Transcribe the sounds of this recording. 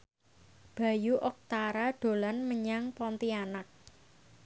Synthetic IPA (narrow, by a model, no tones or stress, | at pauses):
b̥ä̤juʔɔk̚t̪aɾaɖ̪̥o̤lanməɲaŋpɔnt̪ianak̚